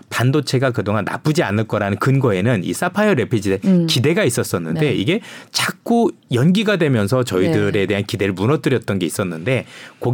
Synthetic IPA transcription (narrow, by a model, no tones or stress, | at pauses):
pandot͡ɕʰe̞ɡakɯdoŋanːa̰p͈ɯd͡ʑianɯɭk͈ʌɾanɯnkɯnɡʌe̞nɯnḭs͈apʰajʌɾe̞pʰid͡ʑidekide̞ɡais͈ʌs͈ʌnːɯnde̞iɡe̞t͡ɕak͈ujʌnɡiɡadwe̞mjʌns̬ʰʌt͡ɕʌidɯɾe̞de̞ɦankide̞ɾɯɭmunʌt͈ɯɾjʌt̚t͈ʌnɡe̞is͈ʌnːɯnde̞ko